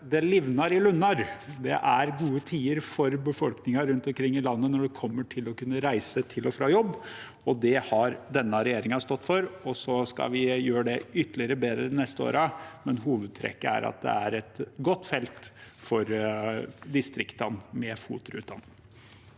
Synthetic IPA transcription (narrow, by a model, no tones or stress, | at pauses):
d̪ɛlɪʋnɑɾɪlʉnːɑɾd̪ɛ̰ʔæɾɡuːət̪ʰiːəɾfɔɾbəfɔlknɪŋɑɾʉnt̪ɔmkʰɾɪŋːɪlɑnːənɔɖɛkʰɔmːəʈʰɪlɔkʉnːəɾæɪsət̪ʰɪlɔfɾɑːjɔbː | ɔd̪ɛhɑɾd̪ɛnːəɾɛjeːɾɪŋɑst̪ɔt̪ːfɔɾɔsɔskɑ̰ʋɪjøːɾəɖɛʏt̪ːəlɪəɾəbeːd̪ɾəɪnɛst̪əo̰ːɾɑmɛnɦuːʋəd̪̚t̪ʰɾɛ̰kːəæ̰ɾɑ̰t̪̚d̪ɛ̰æɾɛt̪ɡɔt̪ːfɛlt̪fɔɾ | d̪ɪst̪ɾɪkt̪ɑnmɛfṵːt̪ʊɾʉ̰t̪̚d̪ɑ̰nːəŋ